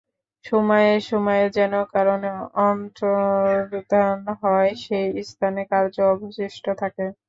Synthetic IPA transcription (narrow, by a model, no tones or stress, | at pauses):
ʃɔmɔjeʃɔmɔed͡ʑɛnokaɾoneɔnt̪ɾobid̪ʱaanɦɔeʃejist̪ʰanekaɾd͡ʑoɔboʃiʃʈʰot̪ʰake